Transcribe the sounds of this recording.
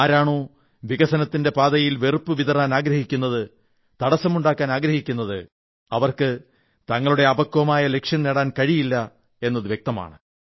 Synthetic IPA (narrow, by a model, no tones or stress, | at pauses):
aːɾaːɳoː | ʋiɣɐsɐnɐt̪ːinde̞paːd̪ɐjilʋerɨpːɨʋiðɐraːnaːɡɾɐhikʲːun̪ːɐðɨ | t̪ɐɽɐsːɐmuɳɖaːkːaːnaːɡɾɐhɦikʲːun̪ːɐðɨ | ɐʋɐrkɨ | t̪ɐŋːɐɭuɽe̞ɐbɐkːuʋɐmaːjɐle̞kʂjɐnneːɽaːnkɐɻijilːɐ | e̞nːɐðɨʋjek̚t̪ɐma̰ːɳɨ